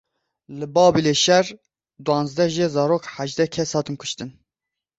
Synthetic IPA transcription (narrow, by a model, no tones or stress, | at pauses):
lɨbɑːbileʃɛr | d̪uɑ̃ːnzd̪ɛʒɛzɑːɾoːkħaʒd̪ɛkʰɛshɑːt̪ɨnkʰʊʃt̪ɨn